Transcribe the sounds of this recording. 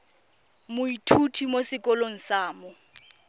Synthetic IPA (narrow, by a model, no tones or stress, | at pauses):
mʊitʰutʰimosɪkʼɔloŋ̩saːmɔ